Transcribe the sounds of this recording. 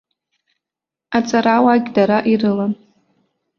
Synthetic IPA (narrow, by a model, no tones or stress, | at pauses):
at͡sʼaɾawaɡʲdaɾaʔirɨla